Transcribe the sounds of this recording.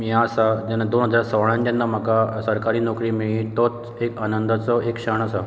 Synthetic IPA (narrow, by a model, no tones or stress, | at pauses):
mãsad͡ʒɛnad̪onɦəd͡zaɾsəʋɭãnd͡ʑənːamakasəɾkaɾinɔkɾimiit̪ot̪ | ekanənd̪ʱət͡sɔʔekʃəɳ̃əsa